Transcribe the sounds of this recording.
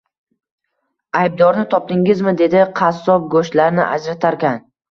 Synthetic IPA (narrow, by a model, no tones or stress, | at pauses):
ajb̚d̪ɒɾnɪt̪ʰɒp̚d̪ɪŋɪzmɪd̪e̞d̪ɪqʰɑsːɒp̚ɡoʃt̪laɾnɪ̰ʔa̰d͡ʒɾat̪ʰaɾkʲan